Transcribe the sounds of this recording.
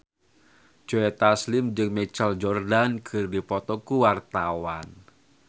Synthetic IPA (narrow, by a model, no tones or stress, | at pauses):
d͡ʒ̥ɔɛt̪aslɪmd͡ʒɨŋmɛt͡ʃald͡ʒɔrdankʰɨrdipɔt̪ɔkuwart̪awan